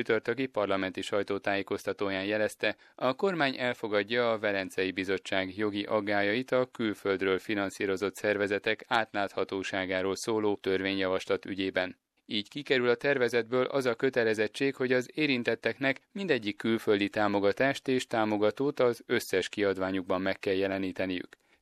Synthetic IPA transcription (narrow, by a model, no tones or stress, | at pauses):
yt̪ørt̪øɡipɒrlɒmɛnt̪iʃɒjt̪oːt̪aːjeːko̞st̪ɒt̪oːjaːnjɛlɛst̪ɛ | ɒko̞rmaːɲʔɛlfo̞ɡɒɟːɒːvɛlɛnt̪sɛjibizo̞t͡ʃːaːɡjo̞ɡiʔɒɡːaːjɒjit̪ɒkylføld̪røːlfinɒnsiːɾo̞zo̞t̪sɛrvɛzɛt̪ɛkaːt̪laːt̪hɒt̪oːʃaːɡaːɾoːlsoːloːt̪ø̞rveːɲjɒvɒʃlɒt̪y̰ɟeːbɛn | iːckikɛɾylɒt̪ɛrvɛzɛd̪bøːlʔɒzɒkø̞t̪ɛlɛzɛt͡ʃːeːkho̞ɟɒzeːɾint̪ɛt̪ːɛknɛkmind̪ɛɟːikːylføld̪it̪aːmo̞ɡɒt̪aːʃt̪eːʃt̪aːmoɡɒt̪oːt̪ɒzø̞sːɛʃkiɒd̪vaːɲuɡ̚bɒmːɛkːɛljɛlɛniːt̪ɛnijy̰k